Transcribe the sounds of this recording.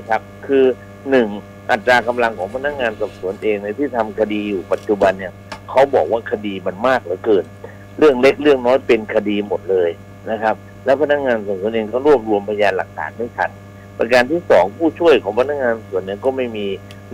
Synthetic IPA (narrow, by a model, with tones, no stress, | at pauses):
kʰa˦˥p̚kʰɯː˧ | nɯ˨˩ŋ | ʔa˨˩t̪ːɾaː˧ka˧mla˧ŋkʰɔː˩˦ŋpʰa˧na˦˥k̚ŋaː˧nsɔ˨˩p̚su˩˦ənʔeː˧ŋna˧jt̪ʰiː˥˩t̪ʰa˧mkʰa˧diː˧juː˨˩pa˨˩t̪̚t͡ɕu˨˧ba˧nːi˥˩ɐkʰa˦˥wbɔː˨˩k̚waː˥˩kʰa˧diː˧ma˧nmaː˥˩k̚la˨˦kɤː˨˩n | ɾɯ˥˩əŋle˦˥k̚lɯ˥˩əŋnɔː˦˥jpe˧nkʰa˧diː˧mo˨˩t̪̚lɤː˧j | na˦˥kʰa˦˥p̚ | lɛ˦˥wpʰa˧na˦˥k̚ŋaː˧nsɔː˨˩psuː˨˩˦nʔeː˧ŋkɔː˥˩ɾu˥˩əp̚ɾu˧əmpʰa˧jaː˧nla˨˩k̚t̪ʰa̰ː˩˦nha˥˩jt͡ɕʰa̰˦˥˩n | pa̰˧kaː˧nt̪ʰiː˥˩sɔ̰ː˩˦ŋpʰuː˥˩t͡ɕʰu˥˩əjkʰɔː˩˦ŋpʰa˧na˦˥k̚ŋaː˧n˩su˨˩˦ənːi˥˩əkɔː˥˩ma˥˩jmiː˧